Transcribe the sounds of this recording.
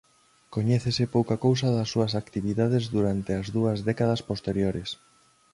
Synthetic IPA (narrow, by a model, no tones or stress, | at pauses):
koɲɛθesɪpowkɐkows̬ɐðɐsːuɐsakt̪iβiðað̞ezðuɾant̪eɐzðuɐzðɛkaðɐspost̪eɾjoɾes